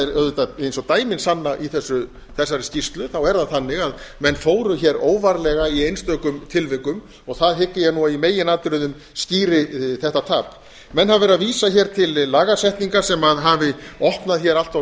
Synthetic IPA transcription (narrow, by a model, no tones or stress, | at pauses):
ɛɾœðʏt̪aejnsɔt̪aːjmɪnsanːaʔiθɛsːʏ | θɛsːaɾɪscist̪lʏθawɛɾðaðθanːɪɣaðmɛnːfoːwɾʏçɛɾoːwvaɾlɛɣaiejnst̪œːkʏmt̪ʰɪlvɪkʏm | ɔɣθaðɦɪkːɪjɛnuaimeːjɪnaːt̪ʏɾʏðʏm | sciːɾɪθɛht̪at̪ʰaːp | mɛnhavɛɾaviːsaçɛːɾ̥t̪ʰɪlːaːɣasɛht̪niŋkasɛmaðɦavɪɔhpnaðçɛːɾal̥t̪va